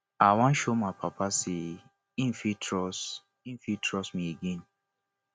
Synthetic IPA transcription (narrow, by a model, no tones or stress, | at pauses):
awãn̩ʃomapʰapʰase | ĩn̩fitʰɹɔs | ĩn̩fitʰɹɔsmieɡẽn